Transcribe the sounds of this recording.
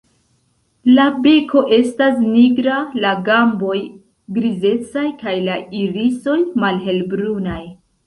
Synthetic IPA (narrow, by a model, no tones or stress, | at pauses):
labe̞kʰo̞ʔe̞stas̬niɡɾalaɡambo̞j | ɡɾize̞t͡sajkajlaiɾiso̞jmalɦe̞lbɾunaj